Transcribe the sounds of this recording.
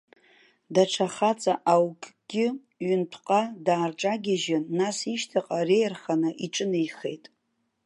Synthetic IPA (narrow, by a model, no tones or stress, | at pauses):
daʈ͡ʂʰaχat͡sʼaʔawkʼɡ̥ʲɪ | ɥʏntʰqʼadaːrʈ͡ʂʼaɡʲɪʒɪnːasiʃtʰaqʼarejrχanɨʔiʈ͡ʂʼɨnɨjχe̞jtʼ